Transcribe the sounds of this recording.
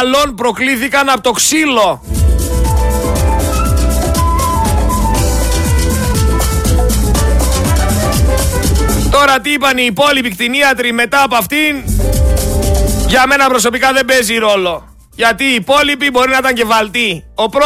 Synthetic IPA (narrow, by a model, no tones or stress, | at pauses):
lo̞npɾo̞kliθikɐnɐpot̪o̞ksilo̞ | t̪o̞ɾɐt̪iipɐniːpo̞lipikt̪iniɐt̪ɾime̞t̪ɐːpoɐft̪in | ʝɐme̞nɐpɾo̞s̬o̞pikɐðe̞mbe̞ziɾo̞lo̞ | ʝɐt̪iːpo̞lipibo̞ɾinɐit̪ɐɲɟe̞vɐlt̪io̞pɾo